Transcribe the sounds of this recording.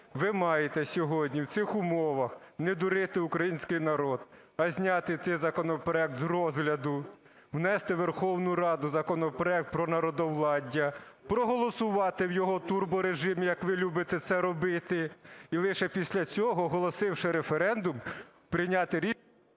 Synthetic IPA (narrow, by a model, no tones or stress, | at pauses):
ʋɪmɑjet̪ɛsʲɔɦɔdʲnʲiwt̪sɪxʊmɔʋɐxned̪ʊɾɪt̪ɪʊkɾɐjinʲsʲkɪjnɐɾɔd̪̥ | ɐzʲnʲɑt̪ɪt̪sɛjzɐkɔnɔpɾɔɛk̚t̪zrɔzɦlʲɐd̪ʊ | wnɛst̪ɪʋerxɔwnʊɾɑd̪ʊzɐkɔnɔpɾɔɛk̚t̪̚pɾɔnɐɾɔd̪ɔwlˠɑdʲːɐpɾɔɦɔlˠɔsʊʋɑt̪ɪwjɔɦɔt̪urbɔɾeʒɪmʲɪjɐkʋɪlʲubɪt̪ɛt̪sɛɾɔbɪt̪ɪilˠɪʃɛpʲisʲlʲɐt͡sʲɔɦɔɦɔlˠɔsɪwʃɪɾefeɾɛnd̪ʊm | pɾɪnʲɑt̪ɪɾʲi